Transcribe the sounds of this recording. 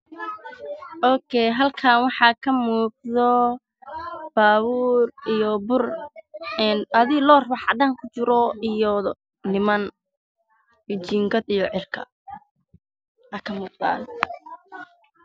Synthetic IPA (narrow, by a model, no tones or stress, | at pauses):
ʔɔːkʰɛɦɐlkʰaːnwɑħɑːkʰɐmuːq̚d̪ɔ | b̥aːβuːrijɔbʊr | ɛnɐðiːlɔːrbɑħɑd̪aːŋkʰʊt͡ʃɪɾɔijɔ | nɪmɐn | jɔt͡ʃiŋɡɐd̪ijɔʕɪrkʰɐ̰ | ʔakʰɐmuːq̚d̪a̰ːn